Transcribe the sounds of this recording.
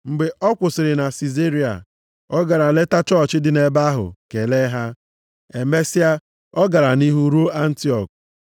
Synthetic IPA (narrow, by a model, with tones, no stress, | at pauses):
ŋ͡m̩˨ɡ͡be˨ʔɔ˦kʷʊ˨sɪ˨ɾɪ˨na˨si˨ze˦ɾi˨a̰˨ | ɔ˦ɡa˨ɾa˨le˦ta˦t͡ʃɔ˦˨t͡ʃɪ˦dɪ˨ne˨ba˦ɦʊ̰˨ke˨le˦ɦa˦ | e˨me˦sɪ˦a˦ | ɔ˦ɡa˨ɾa˨ni˦ɦu˦ɾo˦a˦n̩˦ti˦ɔ˨k̚